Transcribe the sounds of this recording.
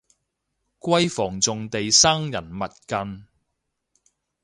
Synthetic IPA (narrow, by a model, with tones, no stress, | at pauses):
kʷɐ˥jfɔː˨˩ŋt͡sʊ˨ŋt̪e˨jsaː˥ŋjɐ˨˩nmɐ˨t̚kɐ˧n